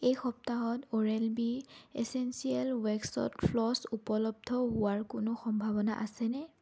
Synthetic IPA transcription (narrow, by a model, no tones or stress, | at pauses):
ejxɔp̚taɦɔtoɹɛlbiesensiɛlwɛksɔ̰tfʰlɔsupɔlɔb̚dʱɔɦʊwaɹkʊnʊxɔmbʱabɔna̰ʔasɛnɛ